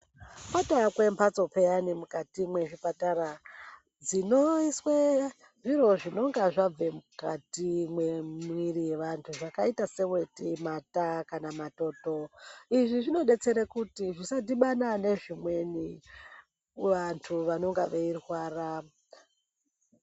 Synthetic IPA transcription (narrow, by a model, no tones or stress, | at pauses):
patakwempat͡so̞pejanimukatimwe̞ʐipataɾa | d͡zinoiswe | ʐiro̞ʐino̞ŋɡaʐab͡ve̞mukatimwemirije̞ʋantʰuʐakaitase̞we̞timatakanamato̞ːto̞iʐiʐino̞ɗe̞t͡se̞ɾekutiʐisatiɓanane̞ʐimwe̞ni | ʋantʰuʋano̞ŋɡaʋeirwaːra